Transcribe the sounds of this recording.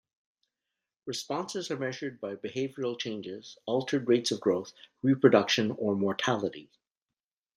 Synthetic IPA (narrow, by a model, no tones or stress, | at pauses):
ɹɨspɑ̃nsɨzə˞mɛʒə˞d̚baɪbɨheɪvjil̩ˠt͡ʃʰẽɪ̃nd͡ʒɪz̥ɔlˠtʰə˞d̚ɹeɪtsʌvɡɹoʊθɹipʰɹ̥ɨdʌkʃɨ̃nə˞mɔɹtʰælˠəɾi